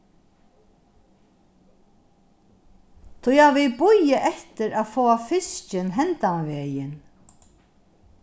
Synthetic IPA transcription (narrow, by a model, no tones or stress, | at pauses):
t̪ʰʊjaʋɪlbʊjaʔɛht̪ɪɾaːðfoːafɪst͡ʃɪnɦɛnt̪anvɛːjɪn